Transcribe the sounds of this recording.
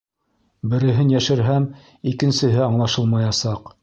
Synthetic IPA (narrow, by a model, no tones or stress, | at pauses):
bɘ̆ɾɘ̆ɦɘnjæʃɘ̆ɾɦæm | ikɘ̆nsɘ̆ɦɘɑɴlˠɑʃɤlˠmɑjɑsɑq